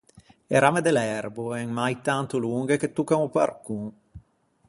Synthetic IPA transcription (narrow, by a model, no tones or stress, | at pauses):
eɾamed̪elɛrboɛŋmajt̪ant̪oluŋɡek̟et̪ːukːaŋopa̰rkuŋ